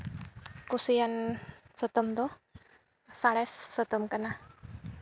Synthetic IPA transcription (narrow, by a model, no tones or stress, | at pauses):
kusiansət̪əmt̪ɔh | salɛsːət̪əmkənah